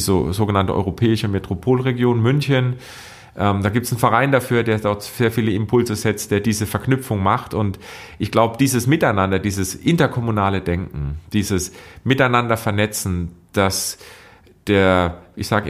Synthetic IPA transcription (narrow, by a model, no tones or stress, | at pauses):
zo̰zoːɡənantə̰ʔɔ̰ʏʁopʰɛːɪʃəmetʁ̥opʰoːlʁeɡjoːnmʏnçən | ʔɛːmdaːɡiːp̚tsn̩fɛɐʁaɪndafyːɐdeːɐdɔɐtz̥eːɐfiːləɪmpʰʊlzəzɛt͡st̚d̥eːɐdiːzəfɛɐknʏp͡fʊŋmaχtʊnt | ʔɪçɡ̥laʊbəd̥iːzəsmɪtaɪnandɐdiːzəsʔɪntɐkʰɔmunaːlədɛŋkŋ̩d̥iːzəsmɪtaɪnandɐfɛɐnɛt͡sn̩d̥as | d̥eːɐʔɪçz̥aːɡə